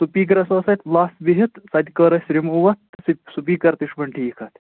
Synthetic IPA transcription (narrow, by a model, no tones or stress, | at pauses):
supiːɡ̬ɾɐsɐːsɐt̪laːst̪biɦit̪sɐd̪ʲkɐːɾɐsʲɾimuʋɐt̪sisupiːkɐɾt̪iʂbɐɳʈʰiːkʰɐt̪